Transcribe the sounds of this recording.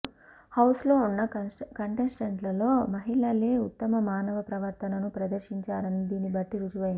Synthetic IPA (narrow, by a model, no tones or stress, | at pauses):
hɐwslo̞ːunːɐkɐɳʈensiɖeɳʈlɐlo̞ːmɐɦiɭɐle̞ːut̪ːɐmɐmaːnɐʋɐpɾɐʋɐɾt̪ʰɐnɐnupɾɐd̪ɐɾʃiɲt͡ʃaːɾɐnid̪iːnibɐʈːiɾud͡ʒuʋɐji